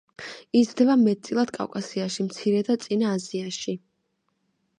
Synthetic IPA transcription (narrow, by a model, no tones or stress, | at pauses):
id̪zd̪ɛbamɛt̪̚t̪sʼilˠad̪̥kʼa̰wkʼasiaʃimt̪sʰiɾɛd̪at̪sʼinaːziaʃi